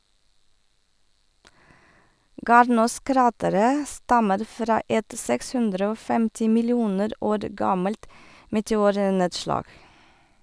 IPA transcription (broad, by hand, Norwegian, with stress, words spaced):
ˈɡɑːɾnuːˌskɾɑːtəɾə ˈstɑməɾ ˈfɾɑː ˈɛt ˈsɛks ˈhʉndɾə ˈoː ˈfɛmtɪ mɪlɪˈuːnəɾ ˈoːɾ ˈɡɑməlt mɛtɛˈuːɾˌneːdʃlɑːɡ